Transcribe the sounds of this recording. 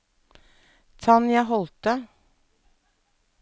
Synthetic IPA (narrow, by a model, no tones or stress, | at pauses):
t̪ʰɑnjæɪɦɔlt̪ə